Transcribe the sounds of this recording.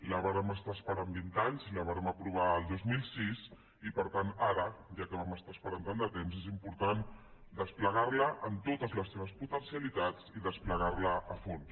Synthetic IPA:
ləβaɾəməst̪aspəɾambint̪aɲziləβaɾəməpɾuβ̞aəlˠd̪ozmilˠsis | ipəɾt̪anaɾəʒakəβaməst̪aəspəɾant̪and̪ət̪emzezimpuɾt̪and̪əspləɣaɾləʔənt̪ot̪əzləsːeβ̞əsput̪ənsiəlit̪at͡siðəspləɣaɾləʔəfons

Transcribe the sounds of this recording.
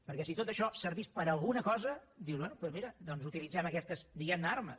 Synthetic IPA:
pəɾkɛsit̪ot̪əʃɔsəɾβispəɾəlˠɣunəkɔzəd̪iwzβwɛnupwɛzmiɾəd̪ɔnzut̪ilid͡zɛməkɛst̪əzd̪iɣɛmd̪aɾmə̰

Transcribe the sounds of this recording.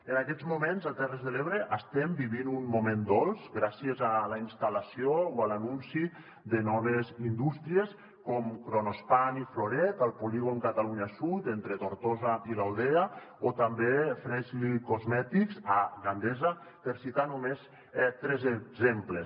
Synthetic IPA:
ənakɛt̪zmumenzat̪ɛrəzðəleβɾəʔəst̪ɛmbiβinunmumend̪ɔlˠzɡɾasiəzalainst̪alasiooalanunsi | d̪ənɔnezind̪ust̪ɾies | kɔmkɾonospanifloɾɛt̪əlˠpuliɣ̞oŋkat̪aluɲasut̪ent̪ɾet̪oɾt̪ozaʔilawðea | ot̪ambefɾɛzlikozmɛt̪ikzaɣand̪ɛza | p̪əɾsit̪anumes | ɛt̪ɾɛzezemplə

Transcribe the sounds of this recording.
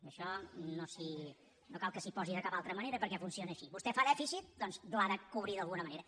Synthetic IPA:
əʃɔnosi | nokalˠkəsipɔziðəkapalˠt̪ɾəməneɾəpəɾkɛfunsionəːʃiβust̪ɛfaðɛfisit̪̚d̪ɔnzd̪laðəkuβɾiðəlˠɣunəməneɾə

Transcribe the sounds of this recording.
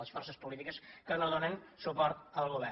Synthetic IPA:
əsfɔrsəspulit̪ikəskənəðonənsupɔɾt̪əlˠɣuβɛ

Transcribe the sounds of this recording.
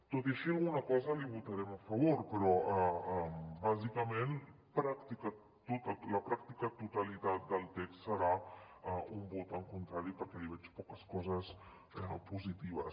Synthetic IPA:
t̪ot̪iəʃiɐlˠɣunɐkɔzəliβut̪aɾɛmɐfɐβoɾpəɾɔʔəmbazikəmẽn | pɾakt̪ika | t̪ot̪əlɐpɾak̚t̪ikat̪ut̪alit̪at̪̚d̪əlˠt̪ɛkst̪səɾaaumbut̪əŋkunt̪ɾaɾipəɾkɛliβɛt͡ʃpɔkəskɔzəs | ɛpuzit̪iβɐ̰s

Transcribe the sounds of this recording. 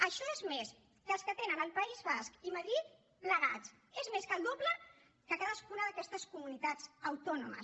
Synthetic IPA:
əʃɔezmes | d̪əlskət̪enənəlˠpəizβaskiməðɾit̪̚ | pləɣat͡s | ezmeskəld̪oplə | kəkaðəskunəðəkɛst̪əskumunit̪ad͡zəwt̪ɔnumə̰s

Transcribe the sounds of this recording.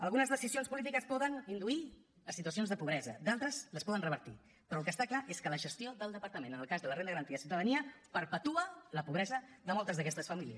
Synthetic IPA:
əlˠɣunəzðəsizionspulit̪ikəspɔðənind̪ui | ləsːit̪uəs̬ionzðəpuβɾɛzə̰d̪alˠt̪ɾəzləspɔðənrəβəɾt̪ḭ | pɾɔəlˠkəst̪aklaʔeskələʒəst̪joðəlˠd̪əpəɾt̪əmenənəlˠkazðələrend̪əɣəɾənt̪iəsiuwt̪əðəniəpəɾpət̪uələpuβɾɛzəðəmolˠt̪əzðəkɛst̪əsfəmiliəs

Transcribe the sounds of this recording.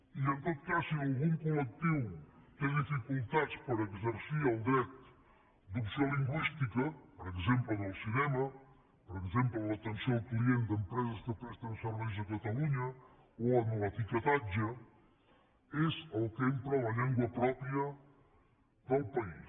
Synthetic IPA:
iẽnt̪oðkasialˠɣũŋkulek̚t̪iwt̪ẽŋd̪ifikulˠt̪at̪spɐɾɐekzɐɾsiɾɐwˠd̪ɾɛt̪̚ | d̪uksioɐlˠiŋɡwiʃt̪ikɐpoɾekzẽmplɐnɐlˠsinɛmɐ | poɾekzẽmplɐlˠɐt̪ẽnsõwklˠiẽnd̪empɾɛzɐzðəpɛst̪ɐðsəɾβɛʒɐkɐt̪ɐluɲɐ | oɐnɐlɐt̪ikɐt̪aʒɐ | ezɐlˠkent̪ɾalɐʎiŋɡwɐpɾɔpɾjɐ | ðɐlˠpɐi

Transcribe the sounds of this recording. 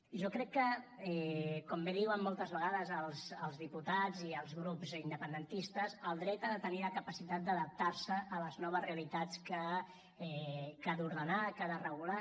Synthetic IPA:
ʒɔkɾɛkːəɛkɔmbeðiwəmːɔlˠt̪əzβəɣaðəzəlˠzəlˠzðiput̪ad͡ziəlˠzɣɾupzind̪əpənd̪ənt̪ist̪əzəlˠd̪ɾɛt̪aðət̪əniləkəpəsit̪at̪̚d̪əðəp̚t̪aɾsəʔːləznɔβ̞əzreəlit̪at͡skə | ɛkaðuɾðənakaðərəɣula

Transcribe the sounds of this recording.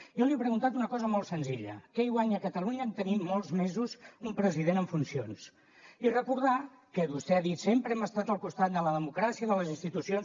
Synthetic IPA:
jɔliepɾəɣunt̪at̪unəkɔzəmɔlˠt̪sənziʎə̰keiɣwaɲəkət̪əluɲəːmt̪ənimmɔlˠzmezuzumpɾəziðenəɱfunsions | irəkuɾð̞a | kəβust̪ɛaðit̪sempɾəɛməst̪at̪əlˠkust̪at̪̚d̪ələðəmukɾasiəðələzinst̪it̪usion

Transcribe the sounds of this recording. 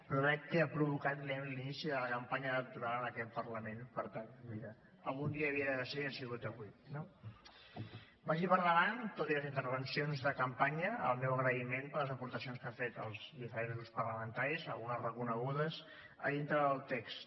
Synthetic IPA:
pɾɔðɛk̚kəapɾuβukat̪lɛlinisiðələkəmpaɲəːlək̚t̪uɾalˠənəkɛt̪̚pərləmenpəɾt̪aniɾə | əlˠɣund̪iəːβiəðəðəseasiɣut̪əβwino | baʒiβəɾɣəβant̪ot̪iləzint̪əɾβ̞ənsionzðəkəmpaɲəə̰lˠmɛwəɣɾəimenpələzəpuɾt̪əsionskafet̪əlˠzðifəɾẽnzɣɾuspərləmənt̪aɾizəlˠɣunəsrəkunəɣuðəs | ə̰ðint̪ɾəðəlˠt̪ɛkst̪

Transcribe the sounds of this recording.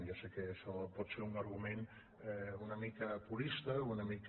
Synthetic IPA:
jasɛkeʃɔpɔt̪seɾunɐɾɣumen | ɛunəmikəpuɾist̪əunəmik

